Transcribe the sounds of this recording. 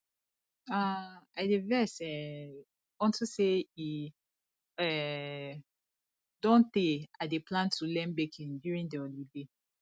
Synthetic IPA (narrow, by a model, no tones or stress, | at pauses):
aaɪdevɛsɛ | ɔ̃ntusei | ɛ | dɔ̃nt̪ẽadeplãntʰulɛ̃mbekʰĩndjuɹĩndiɔlide